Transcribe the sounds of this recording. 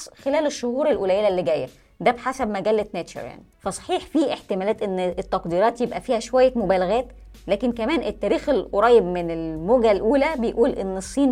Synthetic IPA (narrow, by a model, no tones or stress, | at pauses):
xelæːleʃːohuːɾelʔolæjelælːeɡæːjæ | d̪æbħasæbmæɡælːet̪næt̪ʃo̰ɾja̰ʕnifæsˤɑ̥ħiːħfiʔeħt̪emæːlæːt̪ʔenːet̪ːɑqd̪iːɾɑːt̪jebʔæfiːhæʃowæjːæmobæːlæɣæːt̪ | læːkenkæmæːnʔet̪ːæːɾiːxelʔoɾˤɑːjebmenelmoɡælʔuːlæbejʔuːlʔḛnːesˤːiːn